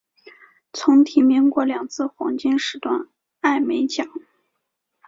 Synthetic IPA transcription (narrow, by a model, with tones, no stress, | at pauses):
t͡sʰʊ˧˥ŋt̪ʰi˧˥mi˧˥ŋkwɔ˧˥ljɑ˨˩ŋt͡sʰɹ̩˥˩xwɑ̰˧˥ŋt͡ɕi˥nʂɻ̩˧˥t̪wa˥˧n | a˥˩ɪme˧˥ɪt͡ɕjɑ˨˩˦ŋ